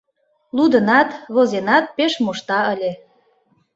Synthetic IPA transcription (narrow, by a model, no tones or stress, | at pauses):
lud̪ənɑt̪βozenɑt̪̚peʃmuʃt̪ɑəlʲe